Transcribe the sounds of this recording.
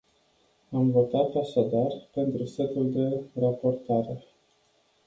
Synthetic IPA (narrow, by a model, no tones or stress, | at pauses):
amvo̞t̪at̪aʃad̪arpe̞nt̪ɾuset̪uld̪e̞rapo̞rt̪aɾe̞